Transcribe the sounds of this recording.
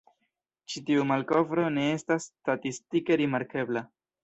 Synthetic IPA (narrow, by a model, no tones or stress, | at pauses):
t͡ʃitiumalko̞vɾo̞ne̞e̞stastatistike̞ɾimaɾke̞bla